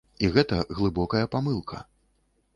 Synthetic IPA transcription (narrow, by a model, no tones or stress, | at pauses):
iɣɛt̪ɐɣlˠɨbɔkɐjɐpamɨlˠkʰɐ̰